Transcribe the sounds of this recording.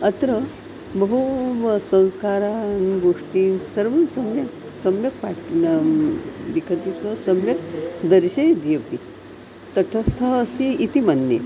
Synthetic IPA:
ət̪ɾə | bəɦusə̃w̃skaɾãnɡoʂʈiːnsəɾʋənsəmjək | səmjək̚paʈn | ʋikʰət̪isməsəmjəkd̪əɾɕejd̪epi | t̪əʈʰəst̪ʰaːsiit̪imanːe

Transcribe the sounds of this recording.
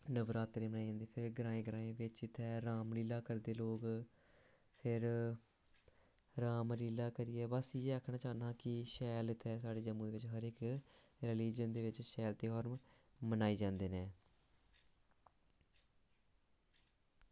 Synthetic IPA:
nəʋɾaːt̪ːɾeːmənaːid͡ʒãːnd̪eːpʰɪɾɡɾãːẽːɡɾãːẽːʋɪt͡ʃɪt̪ʰːɛːɾaːmliːlaːkəɾd̪eːloːk | pʰɪɾ | ɾaːmliːlaːkəɾɪːɛːbəsieːaːkʰnaːt͡ʃaːnaːkɪʃɛːlɪt̪ʰːɛːsaːɽeːd͡ʒəmːũːd̪eːʋɪt͡ʃɦəɾɪkɾeliːd͡ʒənd̪eːʋɪt͡ʃʃɛːlt̪eːɦɔːɾm | mənaːiːd͡ʒãːnd̪eːnẽː

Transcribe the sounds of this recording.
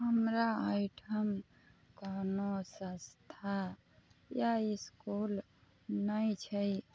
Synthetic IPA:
ɦəmɾaaɪʈʰəm | kanosə̃st̪ʰa | jaiskul | nəjt͡ʃʰəj

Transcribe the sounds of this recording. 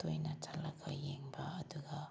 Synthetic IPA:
t̪ojnatʰalaɡajeŋbaːd̪uɡa

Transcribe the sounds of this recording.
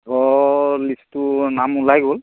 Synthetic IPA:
ɡɔlistʊnamulajɡol

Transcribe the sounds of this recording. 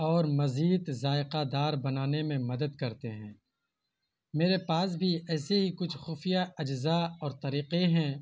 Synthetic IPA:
ɔːɾmɐziːd̪zaːɪqad̪aːɾbɐnaːnemẽmɐd̪əd̪kɐɾt̪eɦɛ̃ː | meːɾepaːs̬bʱiɛːseɦikʊt͡ʃʰxʊːfijaɐd͡ʒzaɔːɾt̪ɐɾiːqeɦɛ̃ː

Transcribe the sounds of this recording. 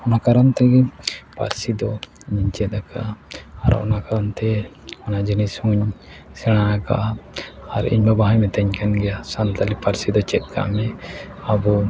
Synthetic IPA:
ɔnakaɾant̪ɛɡɛpa̰ɾsid̪ɔɲiɲt͡ʃɛd̪aka̰ʔːɾɔ̰nakaɾant̪ɛɔnad͡ʒinisũɲsɛɽ̃ajaka̰ʔaaɾḭɲbabaɦajmɛt̪ɛɲkanɡɛjasant̪alipaɾsid̪ɔt͡ʃɛt̪̚ka̰ʔmɛabɔ

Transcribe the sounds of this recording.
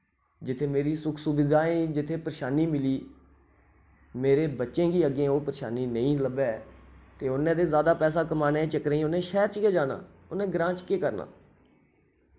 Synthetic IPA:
d͡ʒɪt̪ʰeːmeːɾiːsʊkʰsʊbɪd̪aːĩːd͡ʒɪt̪ʰːeːpəɾʃaːniːmɪliː | meːɾeːbətːʃẽːɡiːəɡẽːoːpɾʃa̰ːniːnəĩːləbeːt̪eːʊnːẽːd̪eːzaːd̪aːpɛːs̬aːkəmaːnẽːt͡ʃəkɾẽiːʊnẽːʃɛːɾt͡ʃkeːd͡ʒaːna̰ː | ʊnẽːɡɾãːt͡ʃkeːkəɾna̰ː

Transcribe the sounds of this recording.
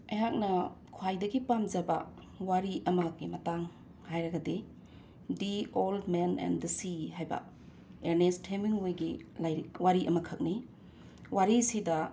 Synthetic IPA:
ɐjɦak̚nɐkʰwajdɐɡipamzɐbɐ̰ | waɾiʔɐmɐɡimɐtaŋ | hajɾɐɡɐde | dioldmenɛ̰ndɐsiɦajbɐ̰ | eɾnestʰemiŋojɡilajɾiwaɾiʔɐmɐkʰɐk̚ni | waɾisidɐ

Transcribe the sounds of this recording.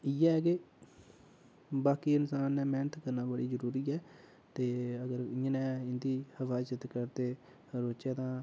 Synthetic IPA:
iːɛːkeː | baːkiːɪnsaːnːɛ̃ːmɛːnət̪kəɾnaːbəɽiːzəɾuːɾiːɛː | t̪eːəɡəɾɪə̃ːnɛ̃ːɪnd̪iːhəfʰaːt͡ʃət̪kəɾt̪eː | ɾoːt͡ʃeːt̪ãː

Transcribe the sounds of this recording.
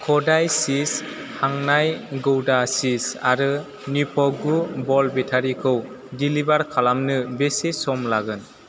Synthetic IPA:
kʰɔdajsis | haŋnajɡɯwdasisa̰ɾɯ | nipʰɔɡubɔlbetʰaɾikʰɯw | dilibaɾkʰalamnɯbesesɔmlaɡɯn

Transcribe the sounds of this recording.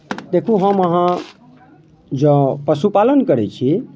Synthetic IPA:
d̪ekʰuɦəməɦã | d͡ʒəpəsupalənkəɾɛt͡ʃʰi

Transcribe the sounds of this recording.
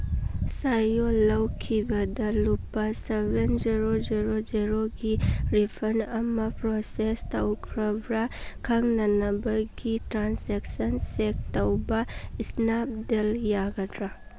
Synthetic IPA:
sajolɐwkʰibɐdɐlupːɐsebend͡ʒiɾod͡ʒiɾod͡ʒiɾoɡiɾipʰɐɾnɐmɐpɾosestɐwkʰɾɐbɾɐkʰɐŋnɐnɐbɐɡitɾansek̚sɐnsek̚tɐwbɐisnap̚deljaɡɐdɾa

